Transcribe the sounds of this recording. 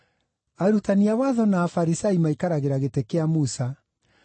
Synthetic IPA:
aɾutaniawaðɔnaːfaɾisaimaikaɾaɣeɾaɣetekeamusa

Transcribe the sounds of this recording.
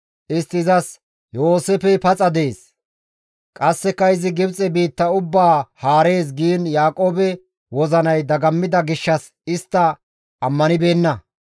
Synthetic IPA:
ʔɪst̪ːɪzɐs | jo̞ːsefɛpɐt͡sʼɐd̪e̞ːs | kʼɐsːɛkːɐɪzɪɡɪbt͡sʼɛbiːt̪ːɐʊbːaːhaːɾe̞ːs̬ɡiːnjaːkʼo̞ːbɛ | wɔzɐnɐjd̪ɐɡɐmːɪd̪ɐɡɪʃːɐs | ɪst̪ːɐː | mːɐnɪbe̞ːnːɐ

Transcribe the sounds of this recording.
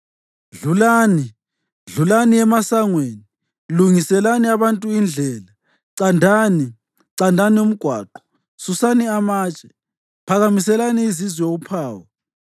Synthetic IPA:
ɮulaːni | ɮulaniɛmasaŋweːni | luŋisɛlaniaβantʼuind͡ɮʱɛːla | ǀandʱaːni | ǀandʱanium̩ɡ̥ʱwa̰ːǃɔ̥ | susaniamaːt͡ʃʼɛ̥ | pʰaɣamisɛlaniizizwɛoupʰaːwɔ

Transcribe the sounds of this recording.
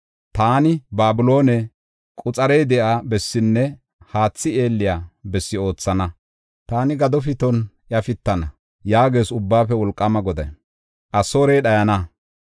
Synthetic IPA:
t̪aːnɪbaːbʊlo̞ːnɛ | kʼʊt͡sʼɐɾɛjd̪ɛʔabɛsːɪnːɛ | haːt͡sːɪeːlːɪjaːbɛsːɪo̞ːt͡sːɐnɐ | t̪aːnɪɡɐd̪ɔfɪt̪ɔnʔjɐfɪt̪ːɐnɐ | jaːɡe̞ːsʊbːaːfɛwɔlkʼːɐmɐɡɔd̪ɐj | ʔɐso̞ːɾeːɗɐjɐnɐ

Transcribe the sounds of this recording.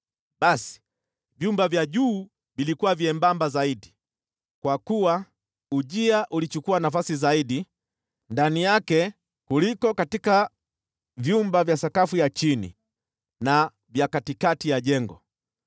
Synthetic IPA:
ɓasi̥ | vjumbavjaʄuː | vilikuwaviɛmbambazaiɗi | kwakuwa | uʄiaʔulit͡ʃukuanafasizaiɗi | ndanijakɛ | kulikɔkatika | vjumbavjasakafujat͡ʃinḭ | na | vjakatikatijaʄɛŋɡɔ

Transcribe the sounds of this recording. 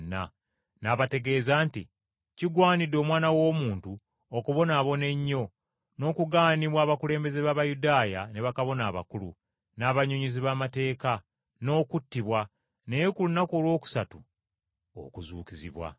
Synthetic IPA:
nːa̰ | naːβate̞ɡe̞ːzaːntḭ | ciɡwaːnidːo̞ːmwaːnawo̞ːmuːntu | okuβo̞naːβo̞ne̞ɲːo̞ | no̞ːkuɡaːniβwaːβakule̞ːmbe̞ze̞βaβajudaːjane̞βakaβo̞naːβa̰kulṵ | naːβaɲoɲiziβaːmate̞ːka | no̞ːkutːiβwa | nejekulunako̞ːlwo̞ːku̥satu | o̰kuzṵːkizḭβwa̰

